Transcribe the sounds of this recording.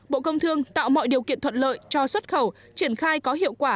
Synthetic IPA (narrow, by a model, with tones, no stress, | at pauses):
ɓo̰˧˨kə˧wŋ͡mt̪ɨ˧əŋt̪a̰ː˧˨wmɔ̰˧˨jɗi˨˩əwkḭ˧˨ənt̪ʰə˧˨n̚lə̰ː˧˨jt͡ɕɔ˧swə˦˥t̚xə˧˩w | t͡ɕi˧˩ənxaː˧jkɔ˨˦ɦḭ˧əwkwaː˧˩